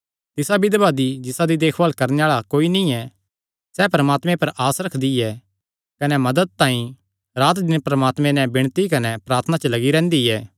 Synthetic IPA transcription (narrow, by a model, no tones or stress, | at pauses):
t̪ɪsabɪd̪baːd̪id͡ʒɪsad̪id̪eːkʰʋaːlkɐɾneaːɭakoːinĩɛ | sɛpɾɐmaːt̪mɛ̃pɐɾʔaːsɾɐkʰd̪iɛ | kɐnɛmɐd̪əd̪̚t̪ãːĩ | ɾaːt̪d̪ɪnpɾɐmaːt̪mɛ̃nɛ̃bɪɽ̃t̪ikɐnɛpɾaːɾt̪ʰənat͡ʃəlɐɡiɾɛ̃ːnd̪iɛː